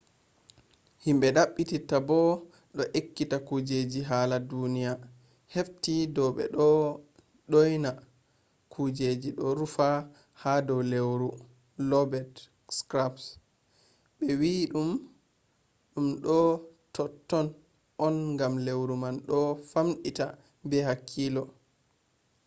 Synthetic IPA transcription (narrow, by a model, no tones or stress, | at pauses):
himɓɛɗaɓːititabɔ | ɗɔʔekːitakud͡ʒed͡ʒiɦaːladunija | heftidɔɓɛ̰ɗɔ | ɗojna | kʰud͡ʒed͡ʒiɗɔɾufa | hadɔwlewɾu | lɔbɛt | skɾaps | ɓɛwiɗum | ɗumɗɔtɔtːɔn | ʔɔnŋɡamlewɾumanɗɔfamɗita | bɛhakʰːilɔ